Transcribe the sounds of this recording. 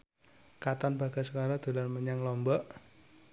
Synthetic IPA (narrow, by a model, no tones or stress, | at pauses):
kat̪anb̥a̤ɡ̥asəkaɾɔd̪̥ṳlarməɲaŋlɔmbɔʔ